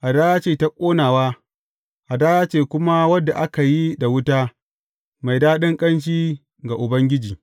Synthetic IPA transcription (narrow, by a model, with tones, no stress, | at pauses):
ʔa˨daː˦ja˦t͡ʃeː˨ta˦kʷʼoː˦naː˨waː˦ | ʔa˨daː˦jaː˦t͡ʃeː˨kʷʊ˦ma˦wɐ˦dːa˨ʔa˦ka˨ji˦da˨wʊ˦ta˦ | ma˨jdaː˦ɗɪ˦ŋkʼɐ˦nʃiː˦ | ɡa˨ʔʊ˨bɐ˦ŋɡʲɪ˦d͡ʒiː˨